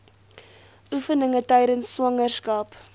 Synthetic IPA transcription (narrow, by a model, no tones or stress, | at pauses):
ʔufənəŋətœjɾənsːwɐŋərskɐp